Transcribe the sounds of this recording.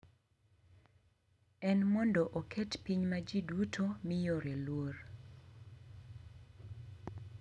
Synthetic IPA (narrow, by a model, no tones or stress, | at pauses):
ɛnmɔndɔʔokʰɛtpiɲmad͡ʒidutʰomɪjoɾelwor